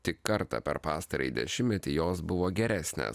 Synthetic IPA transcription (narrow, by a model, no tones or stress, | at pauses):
t̪ʲɪkkːɐɾt̪ɑ̰pʲɛ̰ɾpɑːst̪ɐɾʲɐ̰ɪd̪ʲɛ̰ʃʲɪmʲmʲɛt̪ʲɪjoːsbʊʋoːɡʲɛɾʲæːsʲnʲḛːs